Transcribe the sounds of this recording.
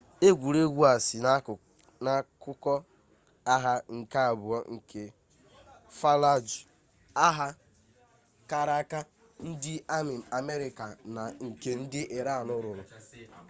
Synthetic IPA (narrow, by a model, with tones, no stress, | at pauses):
e˦ɡʷu˨ɾe˦ɡʷu˦a˨sɪ˨na˦˨ | na˦kʊ˦kɔ˦ | a˦ɦa˦ŋ̩˨ka˦a˨bʊ˨ɔ˦ŋ̩˨kʰe˨ | fa˦la˦d͡ʒʊ˨ | a˦ɦa˦ | ka˦ɾa˦ka˦ | n̩˦dɪ˦a˦mɪ˨a˨me˦ɾɪ˨ka˨na˨ŋ̩˨ke˨n̩˦dɪ˦ʔe˨ɾa˦˨a˨nʊ˦ɾʊ˨ɾʊ˨